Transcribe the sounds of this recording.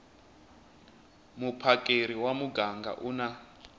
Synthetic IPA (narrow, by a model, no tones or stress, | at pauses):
mupʰakʼeɾiwamuɡaŋɡa̰ʔuna